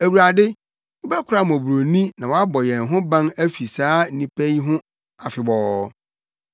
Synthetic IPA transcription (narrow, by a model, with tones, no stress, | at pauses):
æ˨wu˨ɾa˨dɪ˦ | wʊ˦bɛ˦kʰʊ˨ɾa˦˨m˨ɔ̃˨bu˨ɾo˨nĩ˦nã˨wɔ˨˦a˦bɔ˨jɛ̃˨nɦʊ̃˦bã˦næ˦fi˨saː˨˦n̩˦nĩ˦pʰæ˦i˦ɦʊ̃˦ | a˨fɪ˨bɔ˨˦